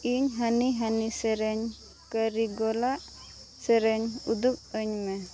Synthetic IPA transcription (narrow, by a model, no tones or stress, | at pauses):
iɲɦaniɦanisɛɾɛɲ | kəɾiɡɔlaʔ | sɛɾɛɲud̪up̚əɲmɛ